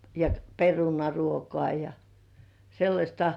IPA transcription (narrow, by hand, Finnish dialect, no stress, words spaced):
jɑ perunɑruokoɑˑ jɑ selːɑsʲtɑ